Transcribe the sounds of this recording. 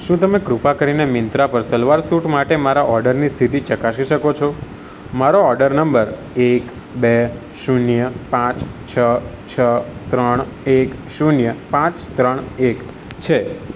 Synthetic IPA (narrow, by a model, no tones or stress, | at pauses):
ʃũt̪əmekɾupakəɾinemɪnt̪ɾapəɾsəlʋaɾsuʈmaʈemaɾaʔɔɾɖəɾnist̪ʰit̪it͡ʃəkaʃiʃəkot͡ʃʰo | maɾoɔɾɖəɾnəmbəɾ | ek | be | ʃunjəpãt͡ʃt͡ʃʰət͡ʃʰət̪ɾəɳ̃ekʃunjəpãt͡ʃt̪ɾəɳ̃ek | t͡ʃʰe